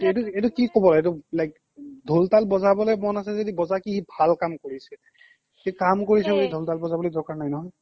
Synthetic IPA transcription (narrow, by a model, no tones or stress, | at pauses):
etuetukikɔbɔlaetʊlajk | dʱoltalbɔzabɔlojmɔnasɛzodibɔzakihibʱalkamkoɹisɛ | kikamkoɹisɛbolidʱoltalbɔzabɔlojdɔɹkaɹnajnɔɦɔj